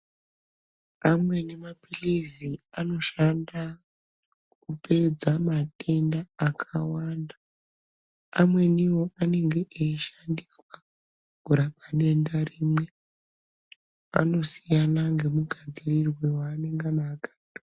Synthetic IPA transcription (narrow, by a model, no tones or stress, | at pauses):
amwe̞nemapiliziano̞ʃanda | kupe̞d͡zamate̞ndaːkʰawaːnda | amwe̞niwo̞ʔane̞ŋɡe̞ʔeiʃandiswa | ɡ̥ʱuɾapaɗe̞ndariːmwe̞ | a̰no̞sijanaŋɡe̞muɡʱad͡zirirwewaːneŋɡanakḁdo